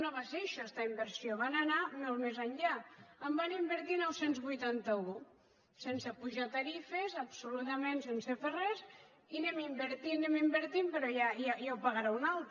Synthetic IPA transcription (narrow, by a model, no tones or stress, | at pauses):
noβaseʃast̪aimbəɾsioβanananolˠmezəɲʎaəmbanimbəɾt̪inɔwsenzβujt̪ant̪əu | sensepuʒat̪aɾifezəpsulut̪əmẽnsenseferɛz | inɛmimbəɾt̪inɛmimbəɾt̪impəɾɔjajajawpaɣaɾaunalˠt̪